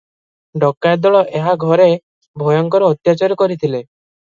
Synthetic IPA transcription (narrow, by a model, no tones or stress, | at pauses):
ɖɔkːaed̪ɔɭɔʔeɦaɡʱɔɾe | bʱɔjɔŋkɔɾɔːt̪jat͡ʃaɾɔkɔɾit̪ʰile